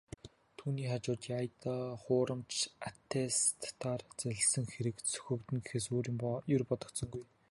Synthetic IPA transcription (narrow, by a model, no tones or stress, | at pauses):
t̪ʰuːniːχat͡ɕʊːt̪jajt̪aːχʊːɾʔə̆mt͡ɕʰat̪ʰːest̪ːʰaːrt͡sæɮʲsə̆ŋxeɾɘ̆ksʰɵ̥xɵ̆kt̪ɵ̆ŋɡexeːs̬oːɾiːmpjɵrpɔt̪ɞ̆kt̪sɞ̆ŋɡuj